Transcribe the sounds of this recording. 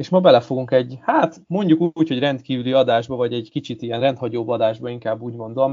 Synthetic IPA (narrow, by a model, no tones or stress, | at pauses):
eːʃmɒbɛlɛfo̞ɡuŋkɛɟhaːt̪mo̞ɲɟukuːcho̞ɟrɛnt̪kiːvyliɒd̪aːʒbɒvɒɟɛɟkit͡ʃit̪ijɛnrɛnt̪hɒɟoːbːɒd̪aːʒbɒiŋkaːbːuːɟmo̞nd̪o̞m